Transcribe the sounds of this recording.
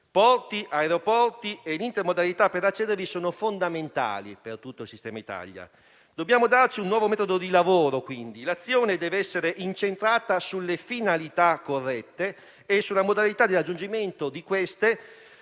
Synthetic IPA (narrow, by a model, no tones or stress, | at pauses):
pɔrt̪iʔaeɾeopɔrt̪ienint̪eɾmod̪alit̪apːeɾat͡ʃːɛːd̪eɾvisoːnofond̪ament̪a̰ːlḭpert̪ut̪ːoilsist̪ɛːmait̪a̰ʎja̰ | d̪̥objaːmod̪art͡ʃiunːwɔːvomɛːt̪od̪od̪ilavoːɾokwind̪ilat̪sːjoːned̪ɛːveɛsːeɾeʔint͡ʃent̪ɾaːt̪asulːefinalit̪akːorːɛt̪ːeː | sːulːamod̪alit̪ad̪irad͡ʒːund͡ʒiment̪od̪ikwest̪e